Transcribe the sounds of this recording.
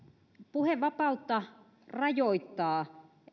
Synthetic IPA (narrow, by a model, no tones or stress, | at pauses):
puheʋʋɑpɑut̪ːɑ | rɑjoit̪ːɑː